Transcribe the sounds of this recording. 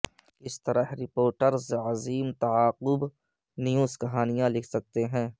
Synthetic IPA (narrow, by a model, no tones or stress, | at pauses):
ɪst̪ɐɾəɦɾɪpoːɾʈəɾzəziːmt̪ɐaːqʊb | nijuːskɐɦaːnijãlɪkʰsɐk̚t̪eɦɛ̃ː